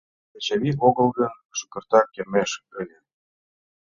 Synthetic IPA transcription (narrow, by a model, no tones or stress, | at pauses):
ət͡ɕaβioɣɤ̆lˠɣə̆n | ʃukɤ̆rt̪ɑkʲːermeʃɘ̆lʲə̆